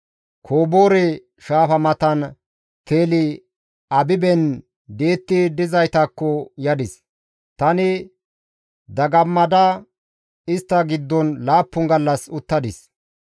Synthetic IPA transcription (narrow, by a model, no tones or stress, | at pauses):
kʰoːbo̞ːɾɛ | ʃaːfɐmɐt̪ɐn | t̪ʰeːlɪ | ɐbɪbɛn | d̪e̞ːt̪ːɪd̪ɪzɐjt̪ɐkːɔjɐd̪ɪs | t̪ɐnɪ | d̪ɐɡɐmːɐd̪ɐ | ɪst̪ːɐɡɪd̪ːɔnlaːpːʊŋɡɐlːɐsʊt̪ːɐd̪ɪs